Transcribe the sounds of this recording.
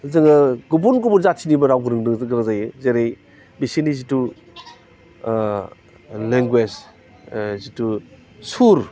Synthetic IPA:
zɯŋɐɡubunɡubuɾzasʰinibɐɾawɡɯɾɯŋɯɡɾɯŋzajɯzeɾej | bisinizitu | leŋɡwez | zitu | suɾ

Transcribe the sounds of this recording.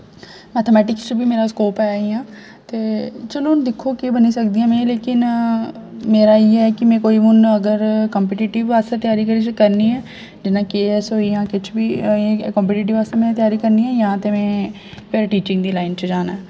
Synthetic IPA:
mɛːt̪ʰəmɛːʈɪkst͡ʃəbiːmeːɾaːskoːpɛːiãː | t̪eːt͡ʃəloːnd̪ɪkʰːoːkebəniːsəkd̪iːjãːmɛ̃ːleːkɪn | meːɾaːiːɛːkɪmɛ̃ːkoːiːmʊnəɡəɾkəmp̬eːʈiːʈɪʋaːst̪ẽːt̪ɪjaːɾiːkəɾiːt͡ʃkəɾniːɛː | d͡ʒɪnãːkeːɛsɦoːiːjãːkɪt͡ʃʰbiːekɔmpɛʈiːʈɪʋaːst̪eːmɛ̃ːt̪ɪjaːɾiːkəɾniːɛːjãːt̪eːmɛ̃ː | peɾʈiːt͡ʃɪ̃ŋɡd̪iːlaːɪnt͡ʃd͡ʒaːnaɛː

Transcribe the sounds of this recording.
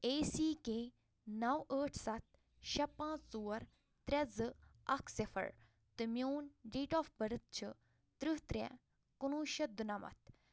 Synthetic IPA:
eːsiːkeː | nɐwəːʈʰsɐt̪̚ | ʃɐpːãːt͡st͡suːɐɾ | t̪ɾʲɐzɨɐkʰsefʰɐ̰ɾ | t̪ɨmʲjoːnɖiːʈɔːfbɐɾɨt̪̚t͡ʃʰɨ | t̪ɾɨɦt̪ɾʲɛ̰ | kunuːʃɐd̪unɐmɐ̰t̪̚

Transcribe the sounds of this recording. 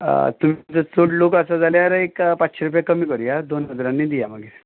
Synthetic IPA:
t̪um̤it͡sət͡soʈlokəsad͡zʱaljaɾekpat͡sːɕeɾupjakəmiːkəɽijad̪onɦəd͡zɾãnːid̪ijaməɡiɾ

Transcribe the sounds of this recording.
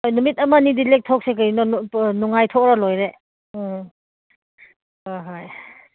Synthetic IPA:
hojnumit̚ɐmanidilek̚tʰok̚sekɯɾnɔnuŋajtʰokɾalojɾe | hojɦoj

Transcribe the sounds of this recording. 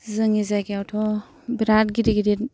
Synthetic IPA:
zɯŋizaɡiawtʰɔ | biɾat̚ɡiɾiɡiɾit

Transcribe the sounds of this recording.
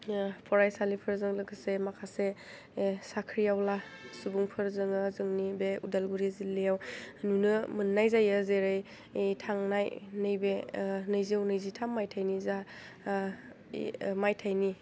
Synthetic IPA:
pʰɔɾajsalipʰɯɾzɯŋlɯɡɯsemakʰase | sakʰɾijawlasubuŋpʰɯɾzɯŋɯzɯŋnibeudalɡuɾizilːejawnunɯmɯnːajzajazeɾɯj | tʰaŋnajnɯjbenɯjziawnɯjzitʰamːajtʰajniza | majtʰajni

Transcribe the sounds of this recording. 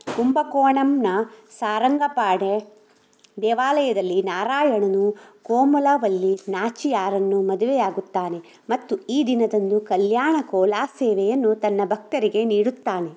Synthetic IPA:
kumbɐkoːɳɐmnɐsaːɾɐŋɡɐpaːɽe | d̪ɛːʋaːlɐjɐd̪ɐlːinaːɾaːjɐɳɐnukoːmulaːʋɐlːinaːt͡ʃijaːɾɐnːumɐd̪uʋɛjaːɡut̪ːaːne̞ | mɐt̪ːuiːd̪inɐd̪ɐnd̪ukɐljaːɳɐkɔːlaːseːʋɛjɐnːut̪ɐnːɐbʱɐk̚t̪ɐɾiɡe̞niːɽut̪ːaːne̞

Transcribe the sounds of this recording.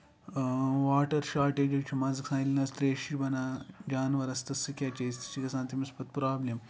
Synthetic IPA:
ʋaːʈɐɾʃaːɾʈeːd͡ʒɐt͡ʃʰɐmad͡zɐksʰãjlnɐst̪ɾeːʃibɐnaːd͡ʒaːnʋɐɾɐst̪ɐsikʲat͡ʃest̪i̥t͡ʃikɐsãːnt̪imispɐt̪pɾaːblem

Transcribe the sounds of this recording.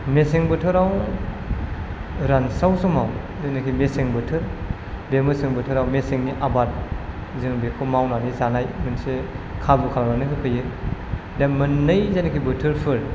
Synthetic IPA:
meseŋbɯtʰɯɾaw | ɾansawsɔmaw | zenɯkʰimeseŋbɯtʰɯɾ | bemɯsɯŋbɯtʰɯɾawmeseŋniʔabat̚ | zɯŋbekʰɔmawnanizanajmɯnsekʰabukʰalamanɯkʰipʰɯjɯ | demɯnːɯjzenɯkʰibɯtʰɯɾpʰɯɾ

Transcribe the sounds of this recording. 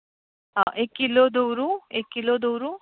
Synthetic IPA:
aʔekːilod̪owɾuekːiloːd̪owɾu

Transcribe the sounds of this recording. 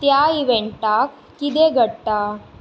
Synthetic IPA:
t̪jaiʋeɳʈakːit̪eɡʱəɽʈ̪a

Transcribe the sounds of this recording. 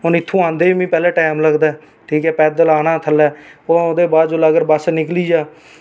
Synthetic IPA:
ɦʊnɪt̪ʰːõːãːnd̪eːiːmĩːpɛːlɛːʈaːɪmləɡd̪aːɛ | ʈʰiːkɛːpɛːd̪əlaːnãːt̪ʰəlɛːoːod̪eːbaːd̪d͡ʒoːlaːɡəɾbəsnɪkliːd͡ʒaː

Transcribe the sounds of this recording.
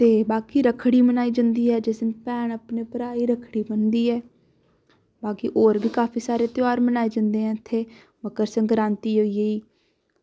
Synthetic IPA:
t̪eːbaːkiːɾəkʰɽiːmənaːiːd͡ʒə̃nd̪iːɦɛːd͡ʒɪsnpɛːɳəpneːpəɾaːiːɾəkʰɽiːmənd̪iːɛː | baːkḭːʔoːɾbiːkaːpʰiːsaːɾeːt̪ɪaːɾmənaːeːd͡ʒə̃nd̪eːɦɛ̃ːt̪ʰeː | bəkəɾsə̃ŋɡɾãːnt̪iːɦoːieiː

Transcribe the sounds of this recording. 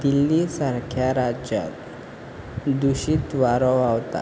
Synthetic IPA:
d̪ilːisaɾkʰjaɾad͡ʑja̰t̪ | d̪uɕiːt̪ʋaɾɔwawt̪a̰

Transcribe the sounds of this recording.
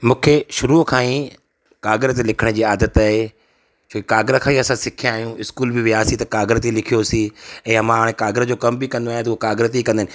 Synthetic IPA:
mũːkʰeʃʊɾuːkʰãːĩ | kaːɡɾət̪elɪkʰəɽ̃d͡ʑiːaːd̪ət̪aːɦe | t͡ɕʰoːkikaːɡɾəkʰãːiɐsãsɪkʰijãaːɦijũɪskuːlbɪʋɪaːsit̪ɐkaːɡɾət̪elɪkʰijosiɛ̃ːɐmãɦaːɽ̃ẽkaːɡɪɾəd͡ʑoːkɐmbikɐ̃nd̪oaːj̃t̪ɐuokaːɡɾt̪eikɐ̃nd̪ənɪ̆

